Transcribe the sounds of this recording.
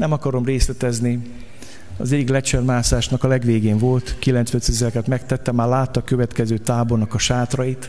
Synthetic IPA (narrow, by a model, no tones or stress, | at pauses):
nɛmɒkɒɾo̞mreːslɛt̪ɛzni | ɒ̰zɛɟːiklɛt͡ʃɛrmaːsaːʃnɒkɒlɛɡʋeːɡeːɱvo̞lt̪kilɛnt̪sʋɛnt̪sɛzɛlɛkɛt̪mɛk̚t̪ɛt̪ːɛmːaːrlaːt̪ːɒkøvɛt̪kɛzøːt̪aːbornɒkɒʃaːt̪rɒjit̪